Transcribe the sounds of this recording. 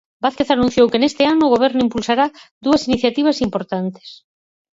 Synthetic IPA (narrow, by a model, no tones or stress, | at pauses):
baθkeθanũn̟θjowkenest̪ɪanʊːɣoβ̞ɛɾnʊimpulsaɾad̪uɐsiniθjat̪iβ̞ɐsimpoɾt̪ant̪e̥s